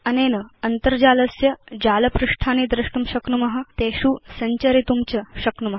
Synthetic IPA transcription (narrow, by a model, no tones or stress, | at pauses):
ɐnenəɐnt̪əɾd͡ʑalɐsjɐd͡ʑaːlɐpɾuʂʈʰanid̪ɾiʂʈumɕɐknumɐɦat̪eɕuːsɐɲt͡ɕɐɾit̪umt͡ɕəɕɐknumɐɦ